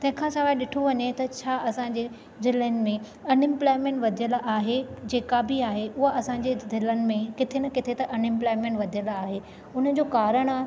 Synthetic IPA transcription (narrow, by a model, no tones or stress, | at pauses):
t̪ɐ̃ɦɪ̃kʰãsɐʋaːɪɗɪʈʰoʋɐɲet̪ɐt͡ɕʰaːɐsãɲd͡ʑe | zɪlənɪ̆mẽ | ɐnɪ̃mplaːɪmẽːɳʈʋɐd̪ʱijəlʔaːɦed͡ʑeːkabʱiaːɦeʔʊɦaʔɐsãɲd͡ʑezɪlənɪ̆mẽkɪt̪ʰenɐkɪt̪ʰet̪ɐʔɐnɪ̃mplaːɪmẽːɳʈʋɐd̪ʱijəlaːɦe | ʊn̤ə̆d͡ʑoːkaːɾəɽ̃